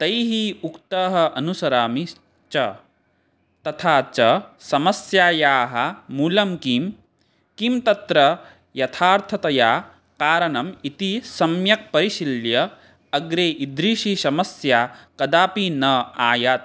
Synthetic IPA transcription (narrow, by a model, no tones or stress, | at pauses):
t̪ɐjɦiukt̪ɐːɦɐ̆ʔɐnusɐɾaːmi | t͡ʃɐ | t̪ɐt̪ʰaːt͡ʃɐsɐmɐsjaːjaːɦɐmuːlɐmkim | kimt̪ɐt̪ɾɐ | jɐt̪ʰaːɾt̪ʰɐt̪ɐjaː | kaːɾɐnɐmit̪isɐmjɐk̚pɐɾiʃiljɐ | ɐɡɾeːʔid̪ɾiːʃisɐmɐsjaːkɐd̪aːpinɐaːjaːt̪̚